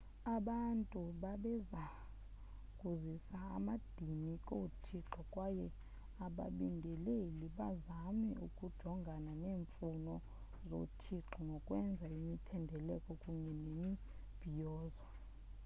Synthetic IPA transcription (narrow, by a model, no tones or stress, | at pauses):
aɓantʼuɓaɓɛza | kʼuzisaa̰mad̥ʱinikʼotʰiǃɔkʼwajɛ | aɓa̰ɓindʱɛleliɓazamɛukʼud̥ʒ̥ʱɔŋɡʱananeːɱfunɔ | zo̰tʰiǃɔŋɡʱɔkʼwɛnd͡zʱaimitʰɛndʱɛlɛkʼɔkʼuɲɛnemi | b̥ʱijɔːzwa